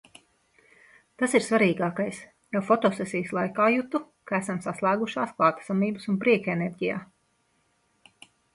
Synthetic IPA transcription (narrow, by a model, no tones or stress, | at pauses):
t̪asiɾsvaɾiːɡaːkajs | jawfɔt̪ɔsɛsɛjslˠajkaːjut̪u | kaæsamsaslˠæːɡuʃaːsklˠaːt̪ḁsamiːbɨsunpɾiɛkenɛɾʲɟʲija̰ː